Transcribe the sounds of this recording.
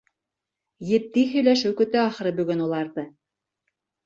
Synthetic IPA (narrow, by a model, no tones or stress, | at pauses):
jɘ̆t̪̚ːihɵ̆jlæʃɘwkɵ̆t̪ɘɑχɤ̆ɾɤbɵ̆ɡɵnulˠɑɾðɤ